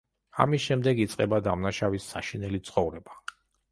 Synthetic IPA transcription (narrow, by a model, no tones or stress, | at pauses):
a̰misʃɛmd̪ɛɡit̪sʼqʼɛbad̪amnaʃavisːaʃinɛlit̪sʰχɔvɾɛba